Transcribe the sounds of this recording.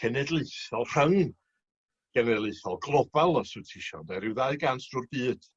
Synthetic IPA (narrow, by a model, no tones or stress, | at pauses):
kʰɛnɛdlˠɨθɔlˠr̥əŋn | ɡ̥ɛnɛdlˠɨθɔlˠɡlˠɔbɛlˠɔsɨtʰɪʃɔ̰ndɛɾɪwðaɨɡansd̥ʊrbɨːd̥